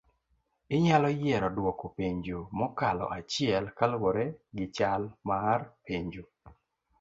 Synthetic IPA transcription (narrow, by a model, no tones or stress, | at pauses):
ɪɲalɔjɛɾɔdwɔkopeɲd͡ʒomɔkalɔ̰ʔat͡ʃɪɛlkalwoɾeɡɪt͡ʃalmarpeɲd͡ʒo